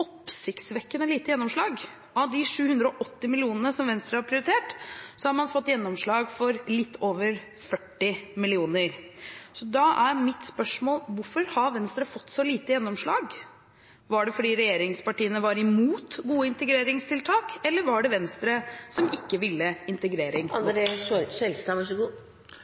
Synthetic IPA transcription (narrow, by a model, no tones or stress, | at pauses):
ɔpsɪkt̪sʋɛkːənəliːt̪əjɛnːɔmʂɭɑːɡ | ɑʋd̪ɪʂʉːhʉnd̪ɾəɔʔɔt̪ːɪmɪlɪuːnənəsɔmʋɛnst̪ɾəhɑɾpʰɾɪʊɾɪt̪ʰeːʈsɔhɑɾmɑnfɔt̪ːjɛnːɔmʂɭɑːɡfɔɾlɪt̪ʰːoːʋəɾ | fœʈːɪmɪlɪuːnəɾsɔd̪ɑʔæɾmɪt̪spœʂmoːlʋʊɾfɔɾhɑɾʋɛnst̪ɾəfɔt̪ːsɔliːt̪əjɛnːɔmʂɭɑːɡ | ʋɑɖɛfɔɖiːɾɛjeːɾɪŋspɑʈiːənəʋɑɾɪmuːt̪ɡuːəɪnt̪əɡɾeːɾɪŋst̪ʰɪlt̪ʰɑːkɛlːəɾʋɑɖɛʋɛnst̪ɾəsɔmɪkːəʋɪlːəɪnt̪əɡɾeːɾɪŋɾɛsɛlst̪ɑɑʂɡuː